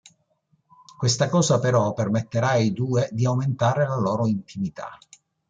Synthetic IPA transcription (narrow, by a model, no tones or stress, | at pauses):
kwest̪akɔːsapeɾɔpermet̪ːeɾaid̪uːed̪iawment̪aːɾelalɔːɾoint̪ʰimit̪a̰